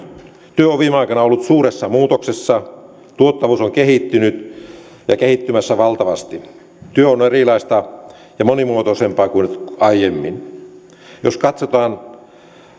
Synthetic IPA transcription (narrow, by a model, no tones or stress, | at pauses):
t̪yøoʋʋiːmeɑˑikɑnɑolːut̪suːresːɑmuːt̪oksesːɑ | t̪uot̪ːɑʋuːsoŋkehiˑt̪ːynyt̪ | jɑkehit̪ːymæsːæʋɑlt̪ɑʋɑst̪i | t̪yøonerilɑist̪ɑ | jɑmonimuot̪osempɑːkuinɑijemːin | joskɑt̪sot̪ɑːn